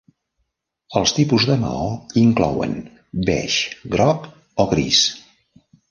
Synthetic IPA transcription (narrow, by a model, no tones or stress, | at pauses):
əlˠst̪ipuzðəmə̰ɔiŋklɔwə̰n | bɛ̰ʃɡɾɔk | ɔɣɾis